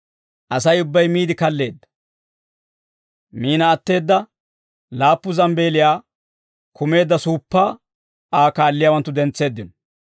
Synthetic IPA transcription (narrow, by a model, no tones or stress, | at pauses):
ʔɐsɐjʊbːɐjmiːd̪ɪkɐlːe̞ːd̪ːɐ̥ | miːnɐːt̪ːe̞ːd̪ːɐ | laːpːʊzɐmbe̞ːlɪjaː | kʊme̞ːd̪ːɐsuːpːaː | aːkaːlːɪjaːwɐnt̪ːʊd̪ɛnt͡sːe̞ːd̪ːɪnɔ